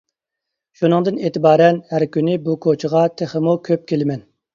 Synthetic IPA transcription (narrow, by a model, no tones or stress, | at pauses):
ʃunɨŋd̪ɨneːt̪ʰɪbɑːɾɛnhæɾkʲynɪbukʰot͡ʃʰəʁɑt̪ʰeχəmukʲʰøp̚kʲʰelɪmɛn